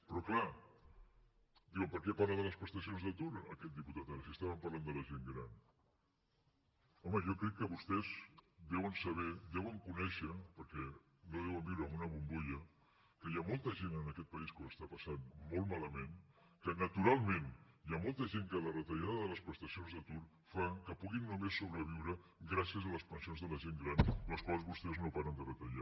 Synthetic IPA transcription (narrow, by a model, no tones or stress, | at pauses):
pɾɔkla | d̪iwəmpəɾkɛpaɾləðələspɾəst̪əsjonzðət̪uɾəkɛt̪̚d̪iput̪at̪aɾəsiəst̪aβəmpəɾland̪ələʒeŋɡɾan | ɔməjɔkɾɛkːəβust̪ɛzd̪ɛwənsəβ̞ɛd̪ɛwəŋkunɛʃəpəɾkɛ | noðɛwəmd̪iwɾəmunəβumbuʎə | kəjamolˠt̪əʒenənəkɛt̪̚pəiskonəst̪apəsanmolˠmaləmen | kənət̪uɾalˠmẽnjamolˠt̪əʒeŋkələrət̪əʎaðəððələspɾəst̪əsionzðət̪uɾ | fakəpuɣinːumesːoβɾəβ̞iwɾə | ɡɾasiəzələspənsijonzðələʒeŋɡɾanləskwalˠzβust̪ɛznopaɾənd̪ərət̪əʎa